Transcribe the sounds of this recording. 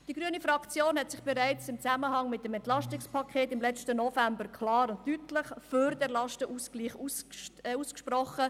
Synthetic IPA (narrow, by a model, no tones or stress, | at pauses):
d̥iɡɾyənifɾɑkt͡sjoːnhɛtsɪχb̥ɛɾæɪt͡sɪmt͡sæməɦɑŋmɪt̚dəmɛntlɑʃtɪkspʰɑkʰeːtɪmlɛt͡stənɔfæmbəɾkʰlɑːɾʊnttytləχføɾd̥ɛɾlɑʃtəʔuskliːχusuːskʃprɔχə